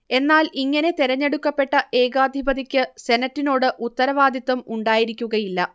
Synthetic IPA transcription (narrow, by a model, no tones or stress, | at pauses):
e̞nːaːliŋːɐne̞t̪iɾɐɲːe̞ɽukːɐpːe̞ʈːɐʔe̞ːɣaːd̪ʱibɐd̪ikʲːɨse̞nɐtːino̞ːɽɨʔut̪ːɐɾɐʋaːd̪ʱjɐt̪ːɐmuɳɖaːjiɾikʲːuɣɐjilːɐ